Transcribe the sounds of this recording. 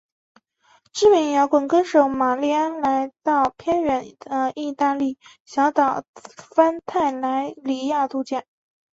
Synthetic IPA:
ʈ͡ʂɻ̩˥mi˧˥ŋjɑ˧˥ʊkwə˨˩nkə˥nʂo˧˥ʊma˨˩li˥˩a˥nla˧˥ɪt̪ɑ˥˩ʊpʰjɛ˥nɥɛ˧˥nə˧i˥˧t̪a˥˧li˥˩ | ɕjɑ˧˥ʊt̪ɑ˨˩ʊfa˥nt̪ʰa˥˩ɪla˧˥ɪli˧˥ja˥˧t̪u˥˧t͡ɕjɛ˥˩n

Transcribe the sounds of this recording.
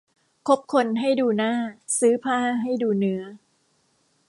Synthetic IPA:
kʰo˦˥p̚kʰo˧nɦa˥˩jduː˧naː˥˩sɯː˦˥pʰaː˥˩ɦa˥˩jduː˧nɯ˦˥ɐ

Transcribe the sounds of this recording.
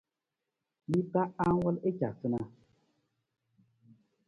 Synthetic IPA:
mi˦pa˦a˦ŋ˦wɔ˦le˦t͡ʃa˨sɨ˦na˦

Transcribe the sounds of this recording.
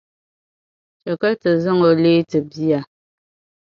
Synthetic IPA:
t͡ʃɛ˨kə˦tɨ˨zɨ˦ŋo˨le˦tɨ˨bi˦a˨

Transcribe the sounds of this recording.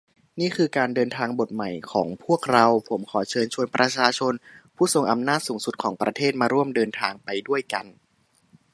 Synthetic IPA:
niː˥˩kʰɯː˧kaː˧ndɤː˧nt̪ʰaː˧ŋbo˨˩t̪̚ma˨˩jkʰɔː˩˦ŋpʰu˥˩ək̚ɾa˧wpʰo˩˦mkʰɔː˩˦t͡ɕʰɤː˧nt͡ɕʰu˧ənpɾa˧t͡ɕʰaː˧t͡ɕʰo˧npʰuː˥˩so˨˩ŋʔa˧mnaː˥˩t̪̚suː˩˦ŋsu˨˩t̪̚kʰɔː˩˦ŋpɾa˧t̪ʰeː˥˩t̪̚maː˧ɾu˥˩əmdɤː˧nt̪ʰaː˧ŋpa˧jdu˥˩əjka˧n

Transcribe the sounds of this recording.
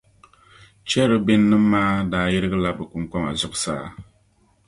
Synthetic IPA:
t͡ʃɛ˦ɾɨ˦bɪ˦nːɨ˦mː˦aː˦daː˨˦ji˦ɾɨ˦ɡɨ˦la˦bɨ˨ku˨ŋka˦ma˨zʊ˨ʔʊ˦sa̰ː˦˨

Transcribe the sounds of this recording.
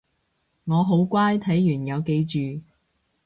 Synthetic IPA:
ŋɔː˨˧ɦo˨˥wkʷaː˥jt̪ʰɐ˨˥jːyː˨˩njɐ˨˧wke˨˧jt͡ʃyː˨

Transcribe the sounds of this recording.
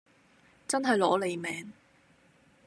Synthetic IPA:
t͡sɐ˥nɦɐ˨jlɔː˨˥le˨˧jmɛː˨˥ŋ

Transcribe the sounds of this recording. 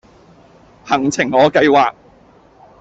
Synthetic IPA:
hɐ˨˩ŋt͡sʰɪ˨˩ŋːɔː˨˧kɐ˧jwaː˨k̚

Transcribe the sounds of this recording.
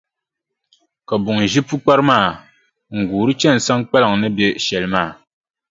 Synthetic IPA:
ka˨bʊ˨ŋ˨ʒi˦pu˦k͡pa˦ɾɨ˦maː˦˨ | ŋ̩˨ɡuː˨ɾɨ˦t͡ʃɛ˦n˨sa˦ŋk͡pa˦lɨ˨ŋnɨ˦bɛ˦ʃɛ˨lɨ˦maː˦˨

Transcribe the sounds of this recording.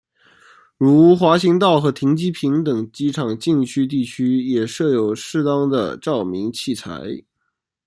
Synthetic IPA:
ɻu˧˥˧xwa˧˥ɕi˧˥ŋt̪ɑ˥˩ʊxɤ˧˥t̪ʰi˧˥ŋt͡ɕi˥pʰi˧˥ŋt̪ɤ˨˩ŋt͡ɕi˥ʈ͡ʂʰɑ˨˩ŋt͡ɕi˥˧ŋt͡ɕʰy˥t̪̬i˥˩t͡ɕʰy˥jɛ˨˩ʂɤ˥˩jo˨˩ʊʂɻ̩˥˧t̪ɑ˥ŋd̪ə̰˨ʈ͡ʂɑ˥˩ʊmi˧˥ŋt͡ɕʰi˥˩t͡sʰa̰˧˥ɪ

